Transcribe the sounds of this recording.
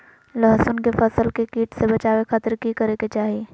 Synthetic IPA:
lɐɦsʊnkefɐsəlkekiːʈsebɐt͡ʃaːwekʰaːt̪ɾkikɐɾeket͡ʃaːɦieː

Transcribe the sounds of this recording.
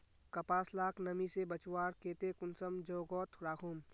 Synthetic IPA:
kɐpaːslaːkʰnəmisebət͡ʃwaːɾkeːt̪ekʊnsəmd͡ʒɔːɡɔːt̪ʰɾaːkʰoːm

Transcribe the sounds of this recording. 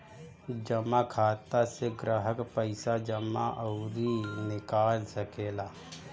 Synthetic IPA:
d͡ʒəmakʰaːt̪aseɡɾaɦəkpəɪsad͡ʒəma̰ʔɔʊɾinɪkaːlsəkeːlaː

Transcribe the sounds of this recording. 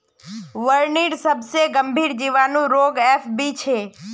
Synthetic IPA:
ʋəɾniɽsəbseɡəmbʱiɾd͡ʒiʋanũɾoɡefbit͡ʃʰe

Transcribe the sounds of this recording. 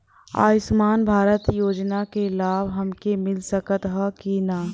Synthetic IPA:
a̰ːjɪsmaːnbʱaːɾət̪joːd͡ʒnakelaːbʱɦɐmkemɪlsəkət̪ɦakinaː

